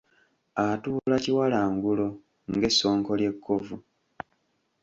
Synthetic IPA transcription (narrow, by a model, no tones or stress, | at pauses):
atuːlaciwalaːŋɡulo̞ | ŋɡe̞sːo̞ːŋko̞lje̞kːovu